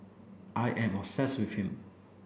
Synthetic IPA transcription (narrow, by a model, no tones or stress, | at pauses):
ʔaɪʔɛ̃mɔsɛswɪfhĩm